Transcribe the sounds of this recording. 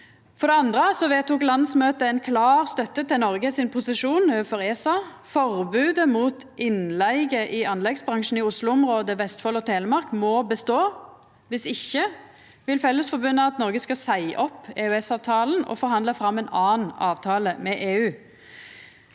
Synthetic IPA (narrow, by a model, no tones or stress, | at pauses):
fɔʁd̪ɛɑnd̪ʁəsɔʋeːt̪uːklɑnd̪smøːt̪əɛnkʰlɑːʁst̪œt̪ːət̪ɪlnɔɾɡəsɪnpʰʊsɪʂuːnøːfɔʁeːsɑ | fɔʁbʉːd̪əmuːt̪ʔɪnlæɪɡəʔɪɑnlɛɡsbʁɑŋʂn̩ɪʊslʊʊmʁoːd̪əʋɛst̪fɔlɔt̪ʰeːləmɑʁkmɔbəst̪oː | ʋɪsɪçːə | ʋɪlfɛlːəsfɔbʉnːəɑt̪nɔɾɡəskɑsæɪʔɔpːeːʉɛsɑːʋt̪ʰɑːln̩ɔ̰fɔɾɦɑnd̪əfɾɑmːɛnɑːnɑːʋt̪ʰɑːləmɛʔeːʉː